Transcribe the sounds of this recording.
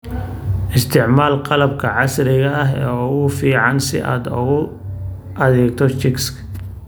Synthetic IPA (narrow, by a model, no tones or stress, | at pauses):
ʔɪst̪ʰɪʕmaːlqɑlɐbkʰɐʕɑsɾɪɣɐɐɦɛ̰ːɔɣʊfiːʕɑnsɪ̰ʔa̰ːd̪ɔɣʊ | ʔɐðɛːɡ̚t̪ʰɔt͡ʃɪkskʰ